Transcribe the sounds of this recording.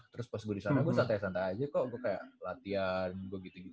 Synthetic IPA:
t̪əɾʊspasɡudisanaɡuasant̪ajasant̪aad͡ʒakɔɡuakaja̰ʔlat̪ianɡuaɡit̪uɡit̪

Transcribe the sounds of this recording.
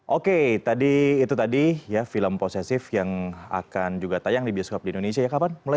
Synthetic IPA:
ʔoket̪adiːt̪ut̪adijafiləmposesɪfjaŋa̰kand͡ʒuɡat̪ajaŋdibioskɔp̚diindonesiajakapanmula

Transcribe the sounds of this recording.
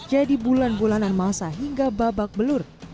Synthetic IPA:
d͡ʒadibulanbulananmasaɦiŋɡababak̚bəlʊr

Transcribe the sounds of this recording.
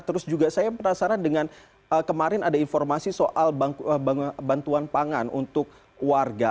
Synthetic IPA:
t̪əɾʊsd͡ʒuɡasajapərdasaɾandəŋan | əkəmaɾɪnadainformasisoʔalbəbant̪uanpaŋanṵnt̪ʊk̚ | warɡa

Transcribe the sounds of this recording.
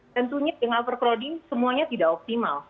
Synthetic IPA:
t̪ənt̪uɲadəŋalpərkɾodɪnsəmuaɲat̪idaʔɔp̚t̪ima̰l

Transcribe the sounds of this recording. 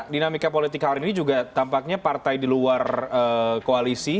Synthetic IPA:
dinamikapolit̪ɪkhalininid͡ʒuɡat̪ampak̚ɲapart̪ajdiluarəːkoalisi

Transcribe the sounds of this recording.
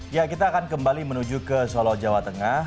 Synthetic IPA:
jakit̪aːkankəmbalimənud͡ʒukəsolɔhd͡ʒawat̪əŋa

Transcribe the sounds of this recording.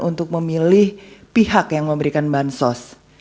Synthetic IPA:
ʔunt̪ʊk̚məmilɪhpiɦakjaŋməmbəɾikanbansɔs

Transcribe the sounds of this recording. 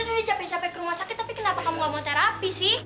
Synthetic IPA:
udit͡ʃapɛt͡ʃapɛkəɾumasakɪt̪ːapikənapakamlamɔt̪aɾapisi

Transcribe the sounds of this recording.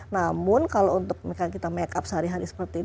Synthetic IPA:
namʊnkalount̪ʊk̚mikakit̪amɛkap̚səɦaɾiɦaɾisə̥pərt̪iː

